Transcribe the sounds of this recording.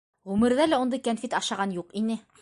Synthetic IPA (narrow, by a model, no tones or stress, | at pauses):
ʁʉmɘ̆ɾðælæŭnd̪ɤjkænfʲit̪ɑʃɑʁɑnjuqinɘ